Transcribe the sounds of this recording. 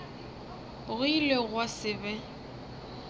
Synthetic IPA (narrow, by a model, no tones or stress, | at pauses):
ɣʊileɣwasɪbɛ